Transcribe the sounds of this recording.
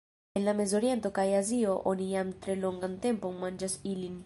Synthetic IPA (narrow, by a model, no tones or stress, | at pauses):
enlamezoɾjent̪okajazioʔonijamt̪ɾeloŋɡant̪empoŋmand͡ʒasilin